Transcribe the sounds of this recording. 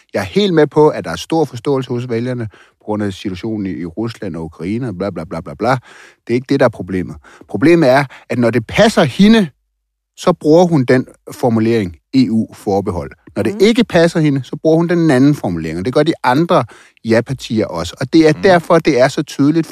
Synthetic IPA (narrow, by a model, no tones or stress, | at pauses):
jɑ̈æɐhe̝̰ːld̥mepʰɒ̽æd̥ɑ̈æɐsd̥o̝ɐ̰fɒ̽sd̥ɔ̰̽ːl̩səhɔ̽s̬ʋeljɐnəpʰɒ̽ɡ̥ʁɔ̽n̰æsit͡sʰuæɕo̝̰ːnn̩ːʁuslæn̰ɒ̽ukʰʁɑ̈iːnəɒb̥lɑb̥lɑ̈blɑ̈b̥lɑ̈b̥lɑ̈ | d̥e̝ɐe̝ɡ̥əd̥e̝ɾɑ̈æɐpʰʁo̝b̥le̝̰ːmð̩ˠ | pʰʁo̝b̥le̝̰ːməð̩ˠæɐæ̥nɒde̝pʰæsɐhinə | sɒ̽b̥ʁuɐɦund̥en̰fɒmule̝̰ɐ̰eŋ | e̝ṵːfɒːb̥eɦɒ̽l̰nɒɾ̥e̝ʔe̝ɡ̥əpʰæsɐhenəsɒ̽b̥ʁuɐ̰hund̥enænn̩fɒmule̝ɐeŋɒd̥e̝ɡ̥ɶɐd̥iɑ̈nd̥ʁɐ | jæpʰɑ̈t͡sʰḭːɐʔɒ̽sə̥ɒ̽d̥e̝æɐd̥æɐ̰fɒ̽d̥e̝æɐsɒ̽t͡sʰyːð̞ˠəlid̥